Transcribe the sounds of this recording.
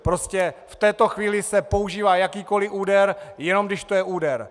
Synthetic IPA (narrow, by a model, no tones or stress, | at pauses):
pɾo̞scɛft̪ɛːt̪o̞xviːlɪsɛpo̞uʒiːvaːjakiːko̞lɪʔuːdɛɾjɛno̞mɡdɪʃt̪ojɛʔuːdɛɾ